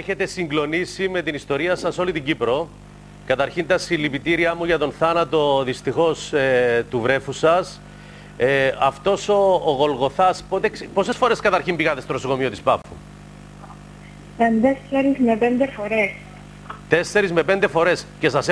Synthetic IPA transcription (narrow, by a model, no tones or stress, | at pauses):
eçe̞t̪e̞siŋɡlo̞nisime̞t̪inist̪o̞ɾiɐsɐso̞lit̪iɲɟipɾo̞ | kɐt̪ɐɾçint̪ɐsilːipit̪iɾiɐmuʝɐt̪o̞nθɐnɐt̪o̞ðist̪ixo̞set̪uvɾe̞fusɐs | ɐft̪o̞so̞ːɣo̞lɣo̞θɐspot̪ekspo̞se̞sfo̞ɾe̞skɐt̪ɐɾçimbiɣɐt̪est̪oɾosoko̞mio̞t̪ispɐfːṵ | ɐnd̪eseɾizmepend̪efoɾes | t̪e̞sːe̞ɾizme̞pe̞nd̪e̞fo̞ɾe̞sce̞sɐs